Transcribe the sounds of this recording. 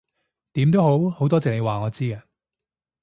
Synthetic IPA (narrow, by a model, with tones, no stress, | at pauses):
t̪iː˨˥mt̪o˥who˨˥who˨˥wt̪ɔː˥t͡sɛː˨k̚ne˨˧waː˨˩ŋɔː˨˧t͡siː˥ɡɐː˧